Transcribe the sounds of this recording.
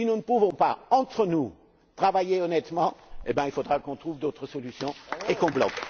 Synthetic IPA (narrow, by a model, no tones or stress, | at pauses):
sinunəpuvɔ̃pa̰ɑ̃t̪χənu | t̪χavajeɔnɛt̪mɑ̃ebjɛ̃ilfod̪ʁakɔ̃t̪χuvd̪ot̪χəsɔlysjɔ̃ekɔ̃blɔ̰k